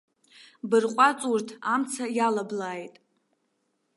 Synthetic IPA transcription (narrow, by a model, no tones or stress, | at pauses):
bɨrqʷʼat͡sʼurtʰamt͡sʰajalablaːjtʼ